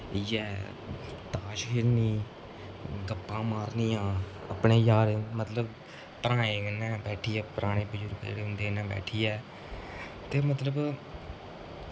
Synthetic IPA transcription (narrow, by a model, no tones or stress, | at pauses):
jɛː | t̪aːʃkʰɪɾniː | ɡəpːãːmaːɾniːãː | ə̰pɳeːjaːɾmət̪ləb | pəɾãːẽːɡənːɛ̃ːbɛːʈʰiːɛːpəɾaːñẽːbəd͡ʒuːɾkːɾːʊ̃nd̪eːnãːbɛ̰ːʈʰiːjɛː | t̪eːmət̪ləb